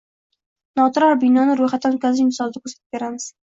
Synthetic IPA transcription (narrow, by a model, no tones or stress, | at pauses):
nɒt̪ʰʊɾaɾbɪnɒnɪɾojχat̪ːankʰʲazɪɪmt̪ɪsɒlˠd̪akʰɵɾsat̪ʰɪ̥b̚be̞ɾamɪz̥